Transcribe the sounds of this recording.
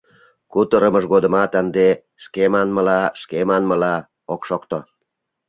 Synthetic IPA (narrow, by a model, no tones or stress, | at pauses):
kut̪əɾə̆məʃɣod̪ə̆mɑt̪ənd̪e | ʃkemɑnmə̆lɑʃkemɑnməlɑ | okʃokt̪o